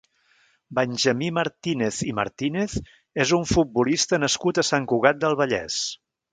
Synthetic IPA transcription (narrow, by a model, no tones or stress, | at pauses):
bənʲʒəmiməɾt̪ineθimə̰ɾt̪ineθ | ezuɱfut̪̚bulist̪ənəskut̪əsaŋkuɣ̞at̪̚d̪əlˠβəʎɛ̰s